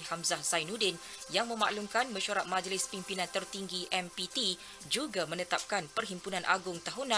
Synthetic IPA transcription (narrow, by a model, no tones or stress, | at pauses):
hamzahsajnudɪn | jaŋmə̃ma̰ʔlumkanmə̃ʃaɾat̪̚mãd͡ʒlɪspimpinãnt̪ərt̪iŋɡiʔɛmpit̪i | d͡ʒuɡamə̃nət̪ap̚kanpərɦimpunãnʔa̰ɡʊŋt̪aɦunã